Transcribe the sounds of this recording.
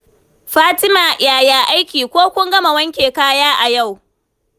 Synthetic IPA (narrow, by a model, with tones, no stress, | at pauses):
ɸaː˦tɪ˦maː˨jaː˨jaː˨ʔa˦jkʲiː˨kʷoː˦kʷʊ˦ŋɡɐ˦ma˨wɐ˦ŋkʲeː˨kaː˦jaː˦ʔa˨ja˦˨w